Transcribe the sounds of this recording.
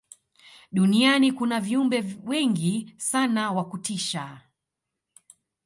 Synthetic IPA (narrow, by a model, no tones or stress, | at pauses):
ɗunianikunaviumbɛwɛŋɡisanawakutiʃa